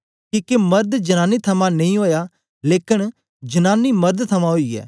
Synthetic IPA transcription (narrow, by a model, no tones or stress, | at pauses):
kiːkemɐɾd̪d͡ʒɐnaːnit̪ʰɐmãnɐĩɦoːja | leːkɪɽ̃ | d͡ʒɐnaːnimɐɾd̪t̪ʰɐmãɦoiɛ̰ː